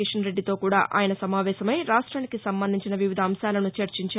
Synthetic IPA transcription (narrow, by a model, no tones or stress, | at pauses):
iʂɐnɾe̞ɖːit̪o̞ːkuːɽa̰ːʔa̰ːjɐnɐsɐmaːʋɛːsɐmɐjɾaːʂʈɾaːnikisɐmbɐnd̪iɲt͡ʃinɐʋiʋid̪ʱɐːmʃaːlɐnut͡ʃɐɾt͡ʃiɲt͡ʃaː